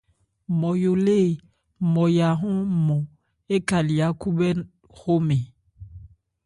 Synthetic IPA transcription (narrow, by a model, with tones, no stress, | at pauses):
mɔ˨jo˨le˦˨ | mɔ˨ja˨ɦɔ̃˦mɔ˨ | e˦ka˨li˨a˨˦ku˦bɛ˦ | ɣo˦me˨